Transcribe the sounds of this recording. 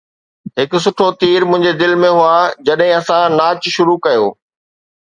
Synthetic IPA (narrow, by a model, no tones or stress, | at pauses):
ɦɪkʊ̆sʊʈʰot̪iːɾmʊ̃ɦɪ̃ɲd͡ʑed̪ɪlmẽɦʊad͡ʑɐɗɦɪ̃ɐsãnaːt͡ɕʃʊɾukɐjo̰ː